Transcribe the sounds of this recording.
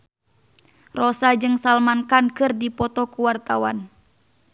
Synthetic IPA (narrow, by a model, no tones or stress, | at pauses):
rɔsad͡ʒɨŋsalmankankɨrdipɔt̪ɔkuwart̪awan